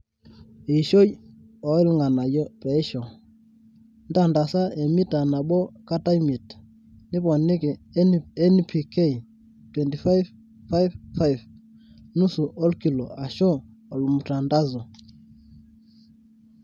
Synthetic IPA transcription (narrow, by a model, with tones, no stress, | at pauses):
e˨ʃo˦ji˦ | ɔ˨˦i˦lŋɡa˨na˨jɔ˦pɛ˨˦i˦ʃɔ˨ | nda˦˨nda˨sa˦ɛ˨mi˦ta˨na˨ɓɔ˦ka˦ta˦i˦mi˨t | nɪ˦pɔ˨nɪ˦kɛ˨˦ɛ˦n˦pʰi˨ke˦i˨ | twɛ˨nti˨fa˦jv | fa˦jvfa˦jv | nu˦su˨ʔɔ˦lki˨lɔ˨a˨ʃɔ˦ | ɔ˨lu˨mu˨ta˨nda˦zɔ˨